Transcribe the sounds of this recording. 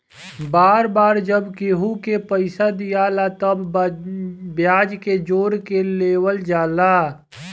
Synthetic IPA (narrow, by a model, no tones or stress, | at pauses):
baːɾbaːɾd͡ʒəbkeːɦukepəɪsad̪ijaːlat̪əb | bjaːd͡ʒked͡ʒoːɾkeleːwəld͡ʒaːlaː